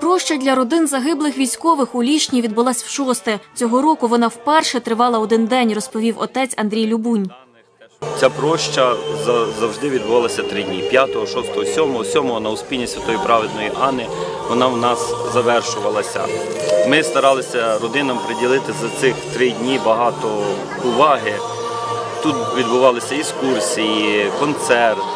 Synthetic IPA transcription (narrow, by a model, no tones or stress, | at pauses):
pɾɔʃt͡ʃɐdʲlʲɐɾɔd̪ɪnzɐɦɪblˠɪxʋʲijsʲkɔʋɪxʊlʲiʃnʲiʋʲid̪̚bʊlˠɑsʲwʃɔst̪ɛt͡sʲɔɦɔɾɔkʊʋɔnɑwpɛrʃɛt̪ɾɪʋɑlˠɐɔd̪ɪnd̪ɛnʲrɔspɔʋʲiwɔt̪ɛt͡sʲɐnd̪ɾʲijlʲʊbunʲ | t͡sʲapɾɔʃt͡ʃɐzɐzɐwʒd̪ɪʋʲid̪̚bʊʋɑlˠɐsʲɐt̪ɾɪdʲnʲipʲjat̪ɔɦɔʃɔst̪ɔɦɔsʲɔmɔɦɔsʲɔmɔɦɔnɐʊspʲilʲnʲisʲɐt̪ɔjipɾɑʋɪd̪nɔjiʔɑnɪ | ʋɔnɑwnɑszɐʋɛrʃʊʋɐlˠɐsʲɐ̰ | mɪst̪ɐɾɑlˠɪsʲɐɾɔd̪ɪnɐmpɾedʲilˠɪt̪ɪzɐt̪sɪxt̪ɾɪdʲnʲibɐɦɑt̪ɔ | ʊʋɑɦɪ | t̪ut̪ʋʲid̪bʊʋɑlˠɪsʲɐiskursʲijikɔnt̪sɛrt̪